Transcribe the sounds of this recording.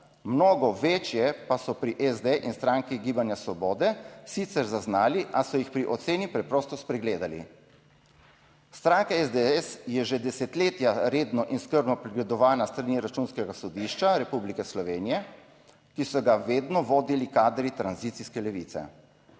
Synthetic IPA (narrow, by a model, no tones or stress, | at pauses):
mnoːɡɔʋeːt͡ʃjɛpasɔpɾiʔɛzd̪eʔinst̪ɾaŋkiɡiːbanjasʋɔbɔːd̪ɛsit̪sɛɾzaznaːliʔasɔjixpɾiʔɔt̪seːnipɾɛpɾɔːst̪ɔspɾɛɡleːd̪alḭ | st̪ɾaŋkaɛzd̪ɛɛsjɛʒed̪ɛsɛt̪leːt̪jaɾeːd̪nɔʔinskəɾbnɔpɾɛɡlɛd̪ɔʋaːnast̪ɾaniɾat͡ʃunskɛɡasɔd̪iʃt͡ʃaɾɛpublikɛslɔʋeːnijɛ | kisɔɡaʋeːd̪nɔʋoːd̪ilikaːd̪ɾit̪ɾanziːt̪siskɛlɛʋit̪sɛ̰